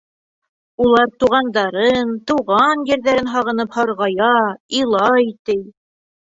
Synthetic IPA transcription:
ulˠɑɾt̪uʁɑnd̪ɑɾɤnt̪uʁɑnjɘ̆ɾðæɾɘnɦɑʁɤ̆nɤphɑɾʁɑjɑilˠɑjt̪ɘj

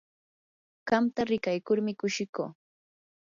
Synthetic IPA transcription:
ɢ̥ɑmt̪aɾɪkajkʊɾmɪkʊʃɪkoː

